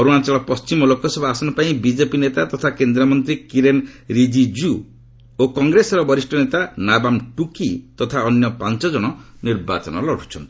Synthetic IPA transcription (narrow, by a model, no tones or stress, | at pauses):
ɔɾunat͡ʃɔɭɔpɔst͡ʃimɔlokɔsɔbʱɔasɔnɔpaĩbid͡ʒepinet̪at̪ɔt̪ʰakend̪ɾɔmɔnt̪ɾikiɾenɾid͡ʒid͡ʒu | okɔŋɡɾesɔɾɔbɔɾisʈʰɔnet̪anabamʈukit̪ɔt̪ʰaɔnjɔpant͡ʃɔd͡ʒɔɽ̃ɔniɾba̰t͡ʃɔnɔlɔɽʰu̥t͡ʃʰɔ̰nt̪i̥